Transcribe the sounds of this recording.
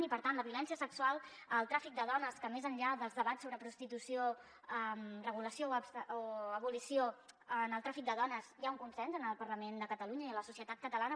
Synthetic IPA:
nipəɾt̪anləβiulɛnsiəsəksualˠəlˠt̪ɾafik̚d̪əðɔnəskəmezənʎaðəlˠzðəβat̪soβɾəpɾust̪it̪usio | əmrəɣ̞uləsiosoəβulisioənəlˠt̪ɾafik̚d̪əðɔnəzjauŋkunsɛnzənəlˠpərləmend̪əkət̪əluɲəiələsusijət̪at̪kət̪əlanə

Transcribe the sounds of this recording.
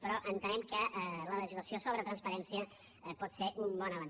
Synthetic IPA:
pəɾɔʔənt̪ənɛmkələləʒizləsiosoβɾət̪ɾənspəɾɛnsiə | pɔt̪seɾʔumbɔnəβən

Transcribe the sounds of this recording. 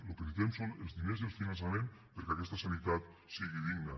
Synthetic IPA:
lokeðit̪emsonelzðinezðelˠfinans̬amẽnpeɾkeakɛst̪asanit̪at̪ | siɣiðiɡnə

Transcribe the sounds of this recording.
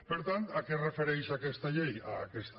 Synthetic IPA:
beɾt̪anakerefeɾensakest̪aʎeja̰kest̪

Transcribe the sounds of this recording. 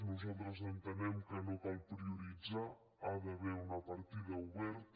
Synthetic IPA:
nuzalt̪ɾəzent̪enɛmkenokalpɾiuɾid͡za | aðaβɛunapaɾt̪iðauβɛɾt̪

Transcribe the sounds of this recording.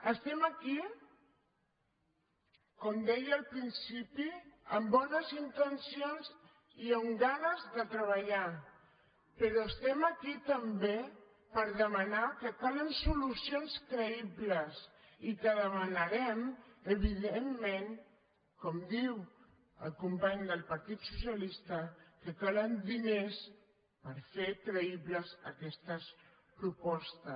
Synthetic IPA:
əst̪ɛməki | kɔmd̪ɛjəlˠpɾinsipiəmbɔnəzint̪ənsionz | iəmɡanəzðət̪ɾəβəʎa | pəɾɔəst̪ɛməkit̪əmbe | pəɾðəmənakəkalənsulusionskɾəiβləs | ikəðəmənəɾɛməβiðemːeŋ | kɔmd̪iw | əlˠkumpaɲd̪əlˠpəɾt̪it̪susjəlist̪əkəkalənd̪ines | pəɾfekɾəiβləzəkɛst̪əs | pɾupɔst̪ə

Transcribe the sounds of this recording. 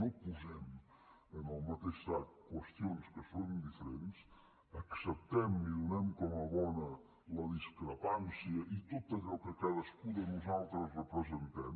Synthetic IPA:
nɐ̃puzɛmu | enɐwmɐt̪eʃt̪aðkwɐʃt̪jõñʃkɨsoɾũd̪ifɾẽnt̪ɨʃ | ɐksɐpt̪ɛmuiunɛmukomɐβɔnɐ | lɐðiʃkɾɐpãnsjɐʔit̪oðt̪ɐkɛlkɐkɐðɐʃkuðɐnuzalˠt̪ɾɐzrɨpɾɨzẽnt̪ɛm

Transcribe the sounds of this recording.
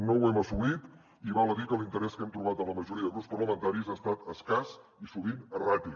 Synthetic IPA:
nowɛməsuβit̪ | iβɔlˠəðikəlint̪əɾɛskɛmt̪ɾuβat̪əmləməʒuɾiəðəɣuspərləmənt̪aɾizaːst̪at̪əskas | isuβ̞inərapi

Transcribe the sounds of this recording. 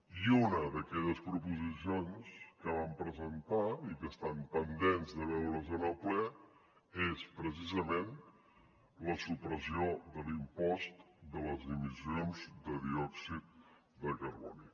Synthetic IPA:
iunəðəkɛʎəspɾupuzisionskəβ̞ampɾəzənt̪aikəst̪ampənd̪enzðəβ̞ɛwɾəzənəlˠplɛ | espɾəsizəmen | ləsupɾəsiod̪əlimpɔst̪ | d̪ələzðimizionzd̪əðiɔksit̪̚ | d̪əkəɾβɔ̰ni

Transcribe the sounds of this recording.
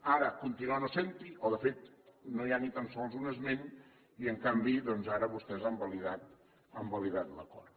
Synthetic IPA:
aɾəkunt̪inuanosent̪iʔɔðəfet̪̚nojanit̪ansɔlˠzunəzmen | iəŋkambiðɔnzaɾəβust̪ɛzambəliðat̪ | əmbəliðat̪lə̰kɔ̰r

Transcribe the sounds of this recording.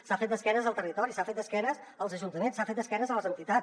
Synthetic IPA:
safet̪̚d̪əskɛnəzəlˠt̪ərit̪ɔɾisafet̪̚d̪əskɛnəs | əlˠzəʒunt̪əmensafet̪̚d̪əskɛnəzələzənt̪it̪at͡s

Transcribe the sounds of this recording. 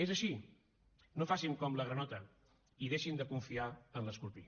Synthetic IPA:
ezəʃi | nofasimkɔmləɣɾənɔt̪ə | iðeʃind̪əkuɱfiaənləskuɾpi

